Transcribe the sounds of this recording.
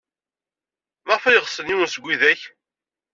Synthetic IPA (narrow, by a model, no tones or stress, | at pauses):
mæʁfæjəʁsəniwənsəɡʷːiðæç